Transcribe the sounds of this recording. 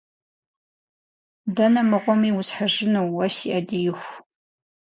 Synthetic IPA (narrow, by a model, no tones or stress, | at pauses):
dɐnɐmɨʁʷɔmiːwʊsħaʒɪnɐwwɐsiʔɐdijɪxʷ